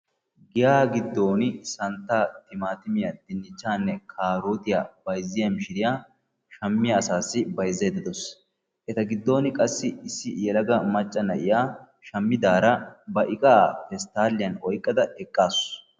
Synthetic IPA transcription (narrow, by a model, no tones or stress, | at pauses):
ɡɪjaːɡɪd̪ːo̞ːnɪsɐnt̪ːaːt̪ɪmaːt̪ɪmɪjɐd̪ɪnːɪt͡ʃːaːnːɛkʰaːɾoːt̪ɪjabɐjzːɪjɐmɪʃɪɾɪjaː | ʃɐmːɪjɐːsaːsːɪbɐjzːɛːd̪ɐd̪ɔs | ʔɛt̪ɐɡɪd̪ːo̞ːnɪkʼɐsːɪɪsːɪjɛlɐɡɐmɐt͡ʃʼːɐnɐʔɪjaː | ʃɐmːɪd̪aːɾɐbɐʔɪkʼaːfɛst̪aːlːɪjɐnɔjkʼːɐd̪ɐɛkʼːaːs